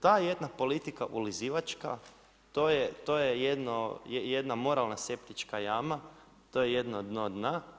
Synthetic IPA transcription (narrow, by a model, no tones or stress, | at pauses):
t̪ajed̪napo̞lit̪ikaʔuliziʋat͡ʃka̰ | t̪ojet̪ojejed̪nojejed̪namo̞ɾalˠnase̞pt̪it͡ʃkajama | t̪o̞jejed̪nod̪nod̪na